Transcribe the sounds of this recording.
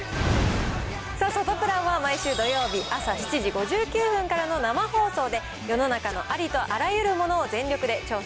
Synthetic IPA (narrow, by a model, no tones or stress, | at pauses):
saːsot̪o̞pɯ̟ɾãɰ̃βamaiɕɨːd̪o̞jo̞ːbʲiʔasaɕi̥t͡ɕiʑiɡo̞ʑɨːkʲɨːɸɯ̟̃ŋkaɾano̞namaho̞ːso̞ːd̪e̞ | jo̞no̞nakano̞̰ʔaɾʲit̪o̞ʔaɾajɯ̟ɾɯ̟mo̞no̞ːzẽ̞ɲɾʲo̞kɯ̟d̪e̞t͡ɕo̞ː